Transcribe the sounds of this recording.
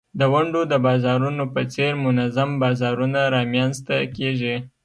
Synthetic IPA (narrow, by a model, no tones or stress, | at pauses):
d̪əwaɳɖod̪əbɑzɑɾunopət͡seɾmʊnazambɑzɑɾunaɾɑmjanzt̪akeʒi